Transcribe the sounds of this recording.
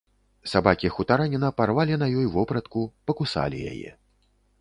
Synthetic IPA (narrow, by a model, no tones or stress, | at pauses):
sabakʲixut̪aɾanʲinɐparvalʲinɐjɔjvɔpɾɐt̪kupɐkusa̰lʲḭja̰jɛ̰